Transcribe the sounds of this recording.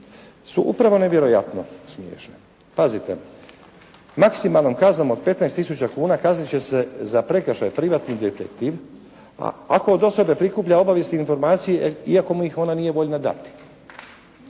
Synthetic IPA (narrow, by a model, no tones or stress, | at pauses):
suʔupɾaʋo̞ne̞ʋje̞ɾo̞ja̰t̪no̞smjḛːʃne | pazit̪e̞̰ | maksimalˠnomkazno̞mo̞d̪̚pe̞t̪naest̪isut͡ɕakuːnakaznit͡ɕe̞sezapɾe̞kəʃajpɾiʋat̪nid̪et̪ḛkt̪iʋ | a̰a̰ko̞od̪o̞so̞be̞pɾikuːpʎao̞baʋje̞sniinfoɾmaːt̪sijeiako̞muixo̞nanije̞ʋo̞ʎnad̪a̰t̪i̥